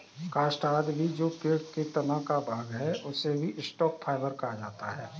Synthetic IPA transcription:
kaːsʈaːd̪bʱid͡ʒoːpeːɽket̪ɐnakabʱaːɡɦɛʔʊsebʱiʔɪsʈɔːk̚pʰaːɪbəɾkɐɦad͡ʒaːt̪aɦɛː

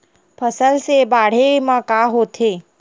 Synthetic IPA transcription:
pʰəsəlsebaːɽ̤emãkaːɦot̪ʰeː

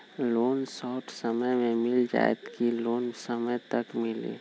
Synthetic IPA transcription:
lonsɔʈʰsəməjmemɪld͡ʒa̰ɛ̰t̪kilonsəməjt̪əkmɪlḭ

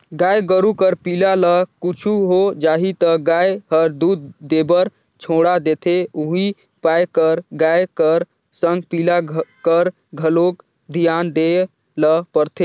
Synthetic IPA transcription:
ɡajɡəɾukəɾpilaləkut͡ʃʰuɦod͡ʒaɦit̪əɡajɦəɾd̪ud̪ːebəɾ | t͡ʃʰoɽad̪et̪ʰeuɦi | pajkəɾɡajkəɾ | səŋɡ̚pilakəɾ | ɡʱəlok | d̪ʱijand̪e | ləpəɾt̪ʰe

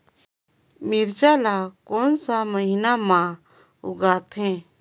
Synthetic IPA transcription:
mɪɾd͡ʒaːlaːkoːnsaməɦinamãː | ʊ̰ɡaːt̪ɦɛ̃ː

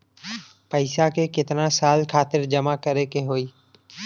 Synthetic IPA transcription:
pəɪsakeːkɪt̪nãsaːlkʰaːt̪ɪɾd͡ʒəmakəɾekeɦoːiː

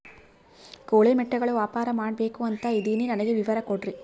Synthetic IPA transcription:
koːɭeːmɛʈːɐɡɐɭuʋaːpaːɾɐmaːɽbe̞ːkuɐnt̪ɐid̪ininɐnɐɡeʋiʋɐɾɐkoɽri

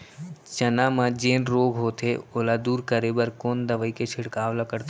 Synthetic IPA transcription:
t͡ʃɐnãːmãd͡ʒeːnɾoːɡɦoːt̪ʰeoːlad̪uːɾkəɾeːbəɾkoːnd̪əʋəiket͡ʃʰɪɽkaːʋlakəɾt̪a

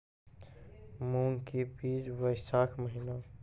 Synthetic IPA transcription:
muːŋkibiːd͡ʒʋəɪsaːkʰməɦɪna

